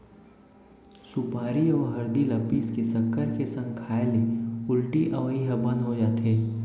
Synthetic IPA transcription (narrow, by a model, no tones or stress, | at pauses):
sʊpaːɾiɔːɾɦɐɾd̪ilɐpiːskesɐkʰːəɾkesɐ̃ŋɡkʰaːeliʊlʈiʔɐʋəiɦəbə̃nd̪ɦod͡ʒaːt̪ɦeː